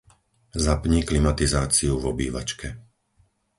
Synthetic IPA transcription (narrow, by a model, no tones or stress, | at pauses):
zapɲiːklimat̪izaːt͡siuvɔbḭːʋa̰t͡ʃkʰɛ